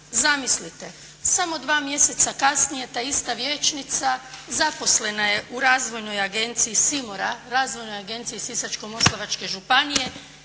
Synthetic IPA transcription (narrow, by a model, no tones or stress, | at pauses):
zamislit̪e̞ | samo̞d̪ʋaːmje̞se̞t̪sakasnije̞t̪aist̪aʋje̞ːt͡ʃnit̪sazapo̞sle̞naje̞ʔuɾaːzʋo̞jno̞jaɡe̞nt̪siisimoɾaɾaːzʋo̞jno̞jaɡe̞nt̪sijisisat͡ʃkomo̞slˠaʋat͡ʃke̞ʒupanije̞